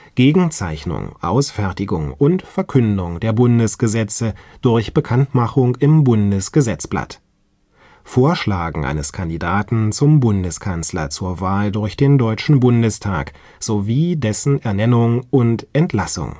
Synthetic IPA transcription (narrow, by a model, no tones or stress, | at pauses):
ɡ̥eːɡŋ̩t͡saɪçnʊ̰ŋʔa̰ʊsfɛɐtɪɡʊ̰ŋʊntfɛɐkʰʏndʊŋd̥eːɐbʊndəsɡ̥əzɛt͡səd̥ʊɐçb̥əkʰantmaχʊŋɪmbʊndəsɡ̥əzɛt͡sb̥la̰t | foːɐʃlaːɡŋ̩ʔa̰ɪnəskʰandidaːtn̩t͡sʊmbʊndəskʰanslɐ̰t͡suːɐvaːldʊɐçd̥eːndɔʏt͡ʃn̩bʊndəstʰa̰ːk | z̥oviːdɛsn̩ɛɐnɛnʊŋʊntʔɛntlasʊ̰ŋ